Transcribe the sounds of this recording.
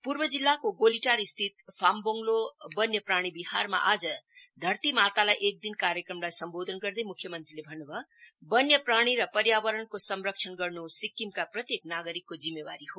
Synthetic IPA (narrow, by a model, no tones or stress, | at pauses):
purbʌd͡zilːakoɡoliʈaɾist̪ʰit̪̚pʰamboŋɡlobʌnjʌpraɽ̃ibiharma̰ʔad͡zʌd̪ʱʌrt̪imat̪alajʔek̚d̪inkaɾjekrʌmlajsʌmbod̪ʱʌnɡʌrd̪ejmukʰjʌmʌnt̪rilebʱʌnːubʱʌbʌnjʌpraɽ̃iɾʌpʌɾjabʌɾʌɳkosʌmrʌk̚t͡ʃʰʌnɡʌrnusikːimkaprʌt̪jeknaɡʌɾikːod͡zimːebaɾiɦo